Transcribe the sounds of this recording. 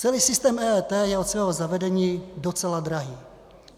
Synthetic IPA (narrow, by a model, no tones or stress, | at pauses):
t͡sɛliːsɪst̪ɛːmɛːɛːt̪ɛːjɛot̪svɛːɦozavɛdɛɲiːdot͡sɛlad̪ɾaɦiː